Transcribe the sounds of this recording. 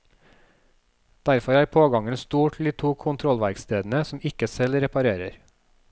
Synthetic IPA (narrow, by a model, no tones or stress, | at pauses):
d̪̥æɾfɔɾæːɾpʰoːɡɑŋənst̪uːʈʰl̩d̪iːt̪ʰuːkʰʊnt̪ʰɾɔlʋæɾkst̪eːd̪n̩əsɔmɪkəsɛlɾɛpɑɾeːɾəɾ